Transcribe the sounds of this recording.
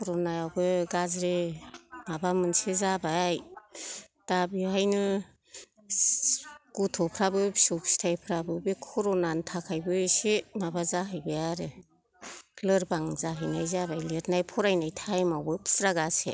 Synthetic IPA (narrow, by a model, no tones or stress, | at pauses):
kʰɔɾɔnajawbɯɡazɾemabamɯnsezabaj | d̥abiɦajnɯ | ɡ̥utʰɔpʰɾabɯbisuksi̥tʰajpʰɾabɯbikʰɔɾɔnantʰakʰajbɯsemabazaɦɯjbɯjaɾɯ | kʰlɯɾbaŋzaɦɯjnajzabajletnajpʰɔɾajnajtʰajmawbɯpʰsɾaɡasḛ